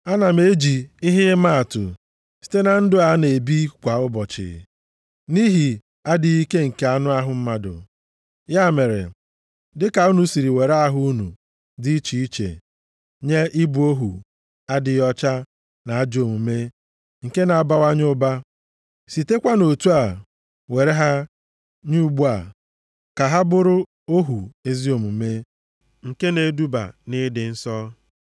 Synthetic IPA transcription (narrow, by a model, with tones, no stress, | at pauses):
a˦na˨me˦d͡ʒi˨ɪ˦ɦɪ˦ma˦a˨tʊ̰˨ | si̥˨te˦na˨n̩˦dʊ˦a˨˦ne˨bi˦kʷa˨ʊ˦bɔ˨t͡ʃɪ̰˨ | ni˦ɦi˨ | a˦dɪ˨i˦ke˦ŋ̩˨ke˦a˦nʊ˦a˦ɦʊ˨m̩˦ma˦dʊ̰˨ | ja˦˨me˨ɾḛ˨ | dɪ˦ka˨u˦nu˨si˨ɾi˨we˨ɾa˦a˦ɦʊ˦u˦nṵ˨ | dɪ˦i˦t͡ʃi˨i˦t͡ʃḛ˨ | ɲe˦ʔɪ˦bu˨o˦ɦṵ˨ | a˦dɪ˨jɔ˦t͡ʃa˦ | na˨a˦d͡ʒo˨mu˨me˦ | ŋ̩˨ke˦na˨a˨ba˦wa˦ɲʊ˦ba˦ | si˨te˦kʷa˦no˨tu˦a˨ | we˨ɾe˦ɦa˦ | ɲu˦ɡ͡bu˦a̰˨ | ka˨ɦa˦bʊ˦ɾʊ˦ | o˦ɦu˨e˦zi˦o˨mu˨me˦ | ŋ̩˨ke˦ne˨˦du˦ba̰˨nɪ˦dɪ˨n̩˦sɔ˦